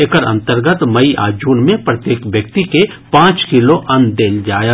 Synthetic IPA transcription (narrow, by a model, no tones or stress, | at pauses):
ekəɾɐ̰̃nt̪əɾɡət̪mɐiʔa̰ːd͡ʒuːnmẽpɾɐt̪jeːkʋjək̚t̪ike | pãːt͡ʃkiloʔɐ̃nd̪eːld͡ʒaːja